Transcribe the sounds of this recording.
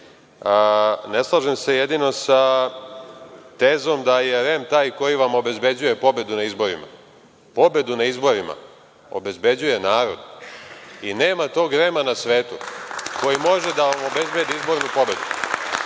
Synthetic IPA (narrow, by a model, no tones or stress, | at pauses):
neslˠaʒemse̞jed̪ino̞sa | t̪eːzo̞md̪ajeɾemt̪aːjko̞jiʋamo̞be̞zbe̞d͡ʑuje̞po̞be̞d̪unaizbo̞ɾḭma̰ | po̞be̞d̪unaizbo̞ɾima̰ | o̞̰be̞zbe̞d͡ʑuje̞naːɾo̞d̪ | ineːmat̪o̞ːɡɾemanasʋeːt̪uko̞jimo̞ʒed̪aʋamo̞be̞zbe̞d̪iizbo̞ɾnupo̞be̞d̪u